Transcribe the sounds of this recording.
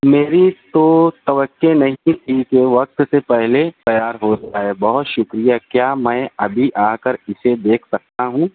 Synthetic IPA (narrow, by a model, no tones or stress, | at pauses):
meːɾit̪ot̪ɐʋəkːenɐɦĩt̪ʰikeʋɐk̚t̪sepɛɦlet̪ɐjaːɾɦoːd͡ʒaːɦebɐɦʊt̪ʃʊkɾijakjaːmɛ̃ːɐbʱiʔaːkəɾɪsed̪eːkʰsɐk̚t̪aɦũː